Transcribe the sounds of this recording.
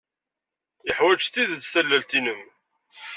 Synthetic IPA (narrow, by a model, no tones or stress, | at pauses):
ɪħwæd͡ʒt̪ːiðd̪θælːælt̪inəm